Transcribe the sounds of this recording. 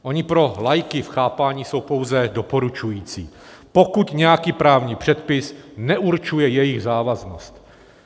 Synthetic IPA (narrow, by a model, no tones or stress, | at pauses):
ʔo̞ɲɪpɾo̞lajkɪfxaːpaːɲiːso̞wpo̞wzɛdo̞po̞ɾut͡ʃujiːt͡sḭː | po̞kut̪ɲɛjakiːpɾaːvɲiːpr̥ɛt̪pɪsnɛʔuɾt͡ʃujɛjɛjɪɣzaːvaznost̪